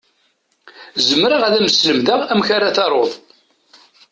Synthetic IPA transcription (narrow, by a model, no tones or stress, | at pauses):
zəmɾaʁæðæməsləmðaʁæmçaɾaθɑɾˤoðˤ